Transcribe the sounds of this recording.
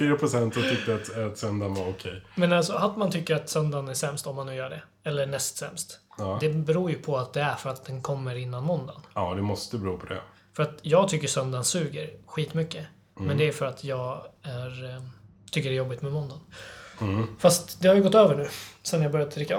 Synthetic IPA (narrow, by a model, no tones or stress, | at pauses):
fiːɾapʰɾʊsɛnt̪ɔt̪ʰʏk̚t̪əat̪at̪sœnd̪anvaɾʊkʰɛjmɛnalsɔat̪ːmant̪ʰʏkːəɾat̪sœnd̪anæʂɛmst̪ɔmːanːʉ̟ːjœːɖɛ | ɛlːəɳɛst̪sɛ̰mst̪ːd̪ɛbɛɾuːjɵpʰɔat̪̚d̪ɛæɾfœɾat̪̚d̪ɛnkʰɔmːəɾɪnːanmɔnd̪a̰nɑːd̪ɛmɔst̪əbɛɾuːpʰɔd̪ɛ̰ | fœɾat̪jɑːɡ̚t̪ʰʏkːəsœnd̪ansʉ̟ːɡəɾɧiːt̪mʏkːə | mɛnd̪ɛæfœɾat̪ʰjɑːɡæɾ | t̪ʰʏkːəɾɛjɔbːɪt̪mɛmɔnd̪an | fast̪d̪ɛhaɾjɵɡɔt̪ːøːvəɳʉ̟ːsɛnːjabœɾjad̪ət̪ʰɾɪkːa